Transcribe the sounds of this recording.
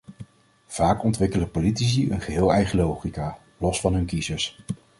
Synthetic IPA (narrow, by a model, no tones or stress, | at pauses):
v̥aːkɔntʋɪkələpolitis̬iə̰nχəɦɪːlˠɛjχəlowχikaː | lɔsfɑnɦɵnkizəɹs